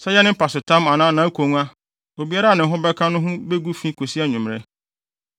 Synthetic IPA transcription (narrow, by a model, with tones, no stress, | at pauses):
sɛ˦jɛ˦nɪ̃˦m̩˦pʰa˨sʊ˨tʰã˦ma˨nã˦nã˨˦kʰo˨ŋ˦a˦ | o˨bi˨˦a˦ɾa˦˨nɪ̃˨ɦʊ˦bɛ˦kʰã˦nʊ̃˦ɦʊ̃˦be˦ɡu˦fĩ˦kʰo˨si˦a˦ɲʊ̃˨m˨ɾɛ˦